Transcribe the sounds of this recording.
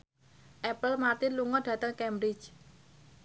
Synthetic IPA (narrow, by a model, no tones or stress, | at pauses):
ʔɛpəlmart̪inluŋɔɖ̥ä̤t̪əŋkɛmbɾɪ̥t͡ʃ